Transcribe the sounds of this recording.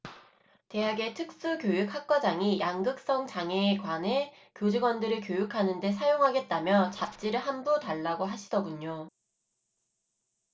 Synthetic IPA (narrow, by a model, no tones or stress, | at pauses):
te̞ɦaɡe̞tʰɯk̚s͈ukjojuk̚hak̚k͈wʌd͡ʑaŋijʔaŋɡɯk̚s͈ʌŋt͡ɕaŋe̞ːkwane̞ | kjod͡ʑiɡwʌndɯɾɯɭk̬jojukʰanɯnde̞sʰajoŋɦaɡe̞t̚t͈amjʌt͡ɕap̚t͡ɕ͈iɾɯɭɦanbutaɭːaɡoɦaɕʰidʌɡuɲo